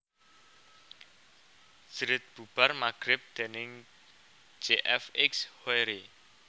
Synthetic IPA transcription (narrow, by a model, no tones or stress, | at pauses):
z̥ɾɪt̪̚b̥ub̥armaɡ̥ɾɪp̚d̪̥enɪŋ | d͡ʒeʔɛfɪkshoeɾe